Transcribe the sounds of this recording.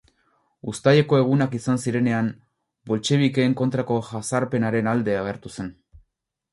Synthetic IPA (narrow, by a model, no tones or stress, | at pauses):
ust̪ajeko̞e̞ɣ̞unakisansiɾe̞ne̞am | bo̞lt͡ʃe̞β̞ike̞ːŋko̞nt̪ɾako̞ʝasaɾpe̞naɾe̞nald̪e̞aɣ̞e̞ɾt̪use̞n